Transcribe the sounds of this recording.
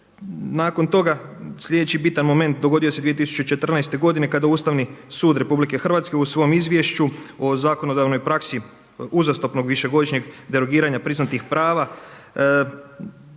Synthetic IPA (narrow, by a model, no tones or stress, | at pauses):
naːko̞nt̪o̞ɡaslʎʲe̞d̪et͡ɕibit̪anmo̞me̞nt̪̚d̪oɡo̞d̪iosed̪iet̪isu̥t͡ɕet͡ʃe̞t̪r̩najst̪e̞ɡo̞d̪ine̞kad̪auːst̪aʋnisuːd̪ɾe̞publike̞xr̩ʋat̪ske̞usʋo̞jomizʋʲjeʃt͡ɕuo̞zaːko̞no̞d̪aʋno̞jpɾaksi | uzast̪opno̞ɡʋiʃe̞ɡo̞d̪iʃɲe̞ɡd̪eɾo̞ɡiːɾaɲapɾiznat̪ixpɾʔaːʋa